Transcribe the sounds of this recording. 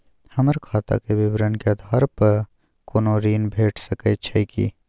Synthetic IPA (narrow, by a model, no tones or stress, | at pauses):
hɐməɾkʰaːt̪a̰keʋɪbɾənkeɐd̪ʱaːɾpəɾ | konoːɾiːnbʱeːʈʰsəkəːt͡ʃʰɐikḭ